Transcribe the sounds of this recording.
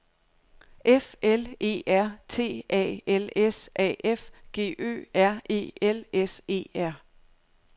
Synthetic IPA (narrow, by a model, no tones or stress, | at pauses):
ʔefele̝̰ːæɐ̰t͡sʰe̝̰ːʔɛ̰ːelesʔɛ̰ːʔefɡ̥e̝̰ːø̰ːæɐ̰e̝̰ːelese̝̰ːæɐ̰